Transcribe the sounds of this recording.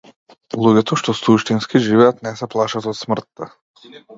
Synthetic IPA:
lˠuɟɛt̪ɔʃt̪ɔsuʃt̪inskiʒivɛat̪nɛsɛplˠaʃat̪ɔt̪smr̩t̪ːa

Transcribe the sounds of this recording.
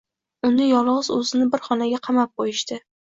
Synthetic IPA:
ʊnɪjɒlˠɒzɵzɪnɪbɪɾχɒnaɡʲaqʰɑmap̚qojɪʃt̪ɪ

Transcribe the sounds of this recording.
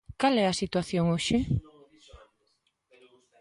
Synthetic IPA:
kalɛɐsit̪waθjoŋoʃɪ

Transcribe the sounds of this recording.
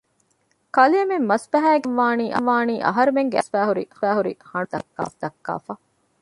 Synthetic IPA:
kɐliɐmemːɐsfɐɦæːɡeʋʋaːniːʔɐʋaːniːʔɐ̰ɦɐɾumeŋɡeɐsfæːɦuɾihæːɦuɾḭhɐɳud̪ɐ̰kːa̰ːfd̪ɐkːa̰ːfɐ

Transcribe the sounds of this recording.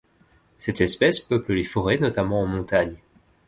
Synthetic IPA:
sɛt̪ɛspɛspœpləlefɔʁenɔt̪amɑ̃ɑ̃mɔ̃t̪aɲ

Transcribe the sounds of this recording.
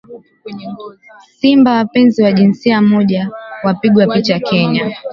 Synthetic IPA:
simbawapɛnziwaʄinsiamɔʄawapiɠwapit͡ʃakɛɲa

